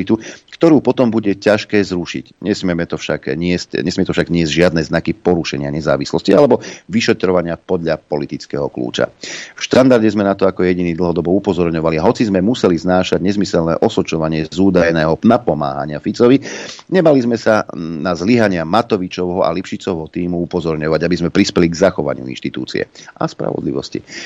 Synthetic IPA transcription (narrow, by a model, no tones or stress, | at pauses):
it̪ukt̪ɔɾuːpɔt̪ɔmbuɟɛcaʃkɛːzɾuʃḭcɲɛsmɪɛmɛt̪ɔfʃa̰ɡɲɪɛscɲɛsmɪɛt̪ɔfʃaɡɲɪɛzɟʒɪad̪nɛznakipɔɾuʃɛ̰ɲɪaɲɛza̰ːʋislɔscialɛbɔʋiʃɛt̪ɾɔʋaɲɪapɔd̪ʎapɔlit̪it͡skɛ̰ːɦɔklṵːt͡ʃa̰fʃt̪and̪aɾɟɛzmɛnat̪ɔakɔjɛɟiniːd̪l̩ɦɔd̪ɔbɔupɔzɔɾɲɔʋaliaɦɔt͡sizmɛmusɛliznaːʃaɟɲɛzmisɛlnɛ̰ːʔɔsɔt͡ʃɔʋaɲɪɛzuːd̪ajnɛːɦɔnapɔma̰ːɦa̰ɲɪafit͡sɔʋiɲɛbalizmɛsanazliɦaɲɪamat̪ɔʋit͡ʃɔʊɦɔa̰lipʃit͡sɔʋɦɔt̪iːmuupɔzɔɾɲɔʋaɟabizmɛpɾispɛliɡzaxɔʋa̰ɲɪṵḭnʃt̪it̪uːt͡sḭɛ̰ʔa̰spɾa̰ʋɔ̰d̪lḭʋɔ̰scḭ